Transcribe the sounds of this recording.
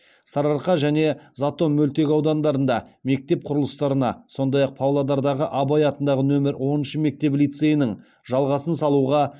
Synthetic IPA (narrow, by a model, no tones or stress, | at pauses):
sɑɾɑɾqɑʒæne̞zat̪o̞mːɵlt̪e̞kʲɑwd̪ɑnd̪ɑɾənd̪ɑme̞k̚t̪e̞p̚qʰʊɾəlˠəst̪ɑɾənɑso̞nd̪ɑjɑq̚pʰawlˠad̪ɑɾd̪ɑʁəʔɑbɑjɑt̪ənd̪ɑʁənɵmɪɾwo̞nənʃəme̞k̚t̪e̞plijt̪se̞jɪnɪŋ | ʒɑlˠʁɑsənsɑlˠuʁɑ